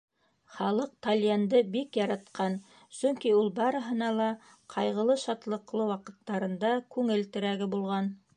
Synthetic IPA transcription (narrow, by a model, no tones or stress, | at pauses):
χɑlˠɤq̚t̪alʲjand̪ɤbikjɑɾɑt̪qɑn | sɵŋkiulˠbɑɾɤ̆ɦɤ̆nɑlˠɑ | qʰɑjʁɤ̆lˠɤʃɑt̪lˠɤ̆qlˠɤwɑqɤ̆t̪ːɑɾɤ̆nd̪ɑkʉŋɘ̆lt̪ɘ̆ɾæɡɘbulˠʁɑn